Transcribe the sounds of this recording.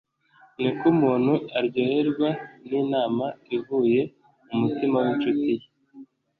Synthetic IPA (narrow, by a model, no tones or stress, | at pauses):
nikumuːn̥huaɾɟoheɾɡwaniːnaːmaivuːje̞ | umutimawent͡ʃutije